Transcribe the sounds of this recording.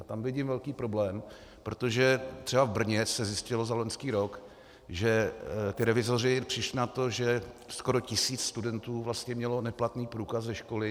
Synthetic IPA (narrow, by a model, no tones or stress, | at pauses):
t̪amvɪɟɪmvɛlkiːpɾoblɛːm | pɾot̪o̞ʒɛt̪r̝̥ɛbavbr̩ɲɛt͡ssɛzjɪscɪlozaloɲskiːɾo̞k | ʒɛt̪ɪɾɛvɪzorɪpr̝̥ɪʃlɪnat̪o̞ʒɛ | sko̞ɾo̞cɪsiːt͡sst̪udɛnt̪uːvlast̪ɲɛmɲɛlo̞nɛplat̪niːpɾuːkaszɛʃko̞lɪ